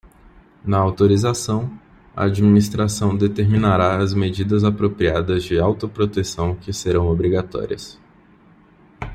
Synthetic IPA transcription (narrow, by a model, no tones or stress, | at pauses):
nɐawt̪oɾizasɐ̃w̃ | ɐ̰ad͡ʒiminist̪ɾasɐ̃w̃d̪et̪eɾmĩnaɾaɐzmed͡ʒid̪ɐzapɾopɾiad̪ɐzd͡ʒɪawt̪ʊpɾot̪esɐ̃w̃kɪseɾɐ̃w̃obɾiɡat̪ɔ̰ɾiɐs